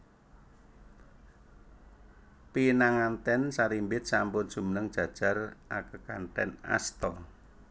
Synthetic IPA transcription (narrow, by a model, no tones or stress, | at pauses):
pinaŋant̪ɛnsaɾimbɪt̪̚sampʊnʒ̥ṳmənəŋd̥ʒ̥ä̤d̥ʒ̥a̤rʔakəkanʈ̪ɛ̰na̰st̪ɔ